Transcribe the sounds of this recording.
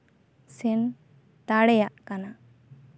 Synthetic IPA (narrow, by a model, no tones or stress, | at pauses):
sɛn | t̪aɽɛjaʔkana